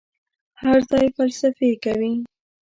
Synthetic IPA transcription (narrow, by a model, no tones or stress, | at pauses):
haɾzɑjfalsafekawi